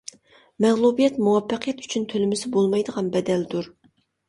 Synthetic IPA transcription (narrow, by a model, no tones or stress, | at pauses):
mɛʁlˠubijɛt̪muwɑpːɑqʰijɛt̪y̥t͡ʃʰynt̪ʰølɪmɪsɪbolˠmɑjd̪əʁɑnbɛd̪ɛld̪uɾ